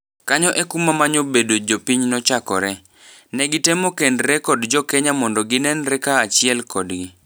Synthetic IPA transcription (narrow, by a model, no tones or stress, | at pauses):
kaɲɔʔɛkumamaɲobedod͡ʒopiɲnɔt͡ʃakɔɾɛ | nɛɡɪtemokendɾɛkɔdd͡ʒɔkɛɲamɔndɔɡɪnɛnɾɛkaːt͡ʃɪɛlkɔdɡi